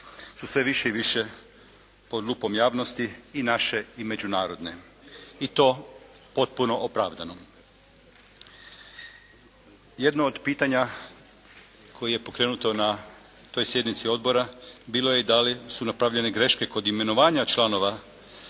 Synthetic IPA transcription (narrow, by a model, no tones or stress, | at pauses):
susʋe̞ʋiʃeiʋiʃe̞ | po̞d̪luːpo̞mjaːʋno̞st̪iinaʃe̞ime̞d͡ʑunaːɾo̞d̪ne̞̰ | it̪o̞po̞t̪̚puno̞ʔopɾaːʋd̪ano̞ | je̞d̪noːd̪piːt̪aɲa | kʰo̞jije̞po̞kɾe̞ːnut̪o̞na | t̪o̞jsje̞d̪nit̪sio̞d̪bo̞ɾabiːlo̞je̞id̪alisunapɾaʋʎe̞ne̞ɡɾe̞ʃke̞ko̞d̪ime̞no̞ʋaːɲat͡ʃlˠano̞ʋa